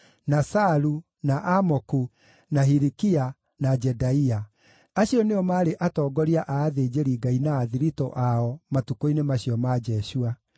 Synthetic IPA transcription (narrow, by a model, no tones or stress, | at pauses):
nasaɾu | naʔamɔku | naɦiɾikia | nad͡ʒɛdaia | aɕiɔneɔmaːɾeʔatɔːɡɔɾiaʔaːðed͡ʑeɾiɡainaːðiɾitɔ̰ʔaɔmatukoinemaɕiɔmad͡ʒɛɕua